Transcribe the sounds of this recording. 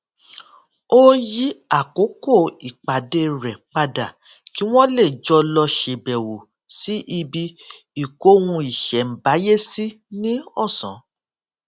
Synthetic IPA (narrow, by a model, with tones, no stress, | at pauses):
o˦ji˦a˦˨ko˨˦ko˦˨i˨k͡pa˨de˧ɾɛ˨k͡pa˧da˨ | ki˨˦w̃ɔ̃˦le˦˨d͡ʒɔ˧lɔ˧ʃe˧˨bɛ˨wo˨ | si˦ʔi˧bi˧ | i˨ko˨˦wũ˧i˨ʃɛ˨˦m̩˨ba˨˦je˦si˦ | nĩ˦ɔ˦˨sɔ̃˨˦